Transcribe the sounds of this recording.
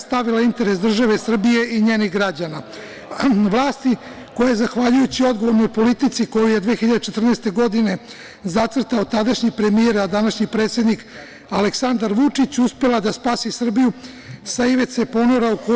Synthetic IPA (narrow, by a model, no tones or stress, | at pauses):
st̪aʋilaint̪e̞ɾesd̪r̩ʒaʋe̞sr̩bije̞ʔiɲe̞ːniɣɡɾad͡ʑana | ʋlˠaːst̪i | ko̞jajezaxʋaʎujut͡ɕio̞d̪ɡo̞ʋo̞ɾno̞jpo̞lit̪it̪siko̞juje̞d̪ʋeːxiʎad̪et͡ʃet̪r̩nest̪e̞ɡo̞d̪ine̞ | zat̪ʋr̩t̪aot̪ad̪aʃɲipɾe̞mieɾad̪anaʃɲipɾeːt̪sjed̪nik | aleksand̪aɾʋut͡ʂit͡ɕuspe̞lad̪aspaːsisr̩biju | saiʋe̞t̪sepo̞noɾauko